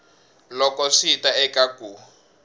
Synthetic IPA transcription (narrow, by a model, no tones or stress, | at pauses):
lɔkɔʂitaɛkaku